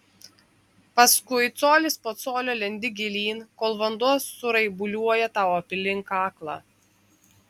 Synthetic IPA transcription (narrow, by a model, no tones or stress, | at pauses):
pɐskʊɪt̪soːlʲɪspoːt̪soːlʲoːlʲɛnʲd̪ʲɪɡʲɪlʲiːnkoːlˠʋɐnd̪uɔsːʊɾɐɪbʊlʲuɔjɛt̪ɑˑʊɐpʲɪlʲɪŋkɑːklˠɑ̰ː